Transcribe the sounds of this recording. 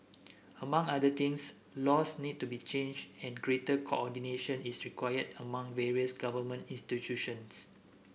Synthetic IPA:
əmãŋadət̪ĩŋs | lɔsnid̚tubit͡ʃẽnd͡ʒɛ̃nɡɹetəkʰo̰ɔdineʃə̃nisɹikʰwajədəmãŋvɛɹiəsɡavəmə̃ntĩnstitjuʃə̃ns

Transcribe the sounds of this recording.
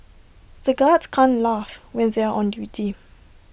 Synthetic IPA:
ð̥əɡadskʰãnlafwɛ̃nðeaʔɔ̃ndjuːtʰi

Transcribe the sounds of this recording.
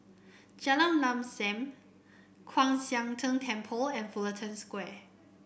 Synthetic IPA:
d͡ʒalãŋlãmsɛ̃m | kʰwãŋsjãŋtʰə̃ntʰɛ̃mpʰəlɛ̃nfulətʰə̃nskwɛ

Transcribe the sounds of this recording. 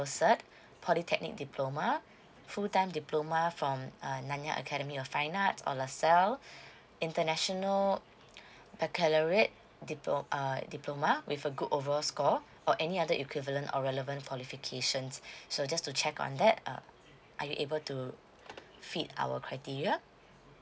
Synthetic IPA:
osət̚ | pʰɔlitʰɛk̚nḭk̚dipʰlomə | futãɪ̃mdiplomafɹɔ̃mənãnja̰ʔə̰kʰɛɾəmiɔfãɪnatsɔ̰lasɛl | ĩntənɛʃɔnəl | bɛkʰɛləɹet̚ | diʔədiplomawʔifəɡudovəɹɔlskɔ | ʔɔʔɛniadəʔikwivələ̃ntɔ̰ɹɛləvə̃nkʰwɔlifikʰeʃə̃nsːod͡ʒastut͡ʃʰɛkɔ̰̃nd̪ɛt̚ə̰ | ʔa̰juʔebəltu | fita̰wə̰kʰɹaɪtiɹia

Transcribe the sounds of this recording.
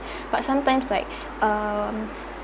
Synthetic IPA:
b̥ʌtsãmtãɪ̃mslaɪk̚ | ʌm

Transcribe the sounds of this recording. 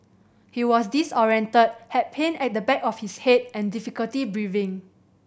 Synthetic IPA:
hiwɔsdisɔɹiɛ̃ntəd̚hɛt̚pʰẽnɛt̚dəbɛkɔfhishet̚ɛ̃ndifikəltibɹivɪ̃ŋ

